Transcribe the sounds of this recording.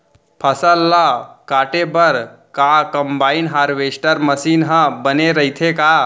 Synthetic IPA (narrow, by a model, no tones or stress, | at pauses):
pʰəsəlːakaʈebəɾ | kakəmbainɦaɾʋesʈəɾməsinɦə̃bəneɾəɦit̪ʰeka